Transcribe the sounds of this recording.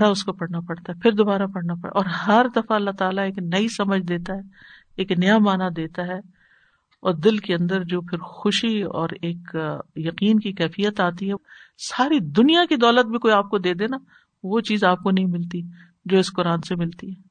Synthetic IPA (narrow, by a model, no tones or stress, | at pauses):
ɾaʊskopɐɽnapɐɽt̪aɦɛpʰɪɾd̪oːbaːɾapɐɽnapɐɽ̰ʔɔːɾɦɐɾd̪ɐfaɐlːat̪aːlaeːknɐisɐməd͡ʒʱd̪eːt̪aɦɛː | eːknɐjamaːnad̪eːt̪aɦɛ | ɔːɾd̪ɪlkeɐ̃nd̪əɾd͡ʒoːpʰɪɾxʊʃiɔ̰ːɾeːkjɐqiːnkikɛːfijət̪aːt̪iɦɛ | saːɾid̪ʊnijakid̪ɔːlət̪̚bʱikoːiaːp̚kod̪eːd̪eːna | ʋot͡ʃiːzaːp̚konɐɦĩmɪlt̪i | d͡ʒoːɪsqʊɾaːnsemɪlt̪iɦɛː